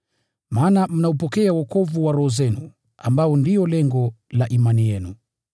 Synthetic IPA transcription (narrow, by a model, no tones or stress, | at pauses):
maːnam̩naupɔkɛawɔkɔvuwaɾɔhɔzɛnu | a̰mbaɔndiɔlɛŋɡɔlaʔimanijɛnu